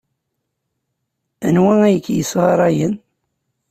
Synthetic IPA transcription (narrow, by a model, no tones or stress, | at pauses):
æ̰nwæŋæjəkːjəsʁɑɾˤɑjən